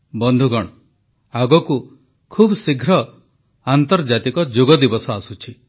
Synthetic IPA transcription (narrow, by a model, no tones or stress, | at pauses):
bɔnd̪ʱuɡɔɽ̃ɔ | aɡɔku | kʰubɔsiɡʱɾɔ | ant̪ɔɾd͡ʒat̪ikɔd͡ʒoɡɔd̪ibɔsɔasut͡ʃʰi